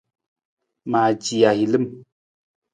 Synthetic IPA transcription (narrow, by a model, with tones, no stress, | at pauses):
maː˨d͡ʒi˨a˨hi˨lɨ˦m